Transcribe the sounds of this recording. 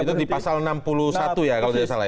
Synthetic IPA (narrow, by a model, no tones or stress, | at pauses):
it̪udipasalnampulusat̪ujakalod̪iasala